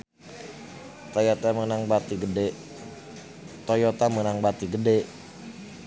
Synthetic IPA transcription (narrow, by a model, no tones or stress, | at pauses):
t̪ajat̪amənaŋbat̪iɡədɛ | t̪ojɔt̪amənaŋbat̪iɡədɛ